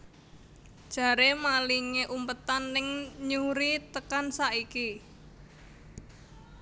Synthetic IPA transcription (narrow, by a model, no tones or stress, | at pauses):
d̥ʒ̥ä̤ɾemaliŋeʔumpət̪anːɪŋɲuɾit̪əkansaʔiki